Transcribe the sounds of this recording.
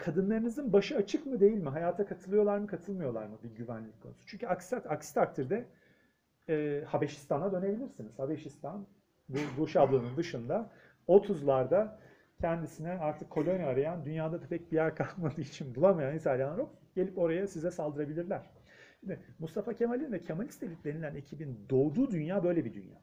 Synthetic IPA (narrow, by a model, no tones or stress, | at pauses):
kʰad̪ɯnˠaɾɯnizɯnbaʃɯat͡ʃʰɯkmɯd̪e̞jilʲmiɦajaːt̪ʰakʰat̪ʰɯlˠɯjo̞lˠaɾmɯkʰat̪ʰɯlˠmɯjo̞lˠa̰ɾmɯbiɟyvænlʲicʲkʰːo̞nu̥su̥t͡ʃʰyɲcʰyaksaakst̪ʰakt̪ʰiɾd̪ɛ | habeʃi̥st̪ʰanad̪ø̞ne̞bilʲiɾsiniz̥habeʃist̪ʰan | buɾuʃablˠɯːnɯnd̪ɯʃɯnd̪a | o̞t̪ʰuzlˠaɾd̪a | cʰɛnd̪isinɛaɾt̪ʰɯkʰːo̞lʲo̞njaːɾajand̪ynjaːd̪ad̪apʰɛc̚bijæɾkʰalˠkmad̪ɯːit͡ʃʰinbulˠamajanit̪ʰaːlʲianˠaɾokɟ̥e̞lʲipo̞ɾajasizɛsalˠd̪ɯɾabilʲiɾlʲæɾ̥ | ʃimd̪ɪmust̪ʰafacʰe̞malʲinvɛcʰemaist̪ʰelʲit̪lʲenilʲæne̞cʰibind̪o̞ːd̪uːd̪ynjaːbø̞jlʲebid̪y̰nja̰ː